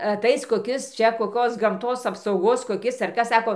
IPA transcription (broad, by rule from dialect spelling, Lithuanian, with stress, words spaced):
ɐˈtɐɪs koːˈkʲɪs ˈt͡ʃʲɛ koːˈkoːs ɡɐmˈtoːs ɐpsɐʊˈɡoːs koːˈkʲɪs ɐr ˈkɐs ˈsɑːkoː